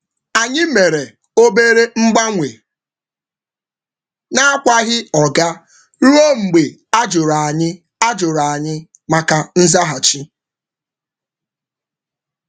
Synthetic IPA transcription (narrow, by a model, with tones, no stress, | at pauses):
a˨ɲɪ˦me˨ɾe˨ | o˦be˦ɾe˦ŋ͡m̩˦ɡ͡ba˦ŋʷe˨ | na˦a˦kʷa˦ɣɪ˦ɔ˨ɡa˦ | ɾu˦o˦ŋ͡m̩˨ɡ͡be˨a˦d͡ʒʊ˨ɾa˨a˨ɲɪ˦ | a˦d͡ʒʊ˨ɾa˨ɲɪ˦ | ma˨ka˨n̩˦za˦ɦa˨t͡ʃi˦